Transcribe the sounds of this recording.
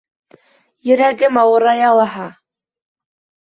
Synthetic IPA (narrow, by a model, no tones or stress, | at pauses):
jɘ̆ɾæɡɘmɑwɤ̆ɾɑjɑlˠɑɦɑ